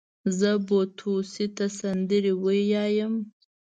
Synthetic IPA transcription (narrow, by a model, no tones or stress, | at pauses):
zəbot̪ʰusit̪asand̪əɾewəjɑjəm